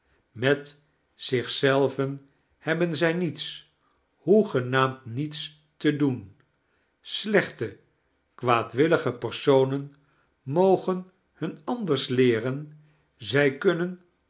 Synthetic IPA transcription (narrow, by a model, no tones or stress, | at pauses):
mɛt | z̥ɪχsɛlˠvən | hɛbənzɛjnits | huχənaːmtnits | tədun | slɛχtə | kʋaːtʋɪləχəpəɹsownən | mowχən | hɵnɑndəɹslɪːrən | zɛjkɵnən